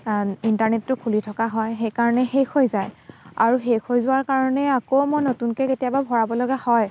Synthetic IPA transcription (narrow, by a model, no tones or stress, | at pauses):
intaɹnetːʊkʰulitʰɔkaɦɔjxejkaɹɔnɛxexʰojzaja̰ɹuxekʰojzʊwaɹkaɹɔnɛakomɔjnotunkɛketijababʱɔɹabɔlɔɡahɔj